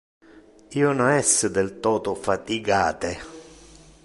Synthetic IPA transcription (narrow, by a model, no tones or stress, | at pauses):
iːʊnɔɛsːəd̪elt̪ɔːt̪ʊfat̪iɡaːt̪e